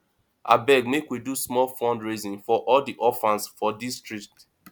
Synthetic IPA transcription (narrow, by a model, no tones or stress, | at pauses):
a̰bɛɡmekwidusmɔlfɔ̃ndɹizĩnfɔʔɔldiʔɔfãnsfɔdistɹik̚t